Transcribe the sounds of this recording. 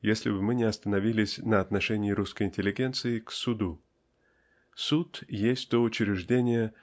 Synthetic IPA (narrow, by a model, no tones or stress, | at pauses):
jesʲlʲɪ̰bɨmɨnʲɪɐst̪ənɐvʲilʲɪsʲnəɐt̪nɐʂɛnʲɪːɾuskəjɪnʲtʲɪlʲɪɡʲe̞nt̪sɨɪksʊd̪u | sut̪jesʲtʲt̪oʊt͡ɕɪɾʲɪʐdʲenʲɪjə